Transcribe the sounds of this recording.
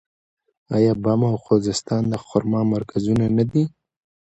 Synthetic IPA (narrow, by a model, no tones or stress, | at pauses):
ɑjɑbamawxozɪst̪ɑnd̪əxʊɾmɑmaɾkʰazunanad̪i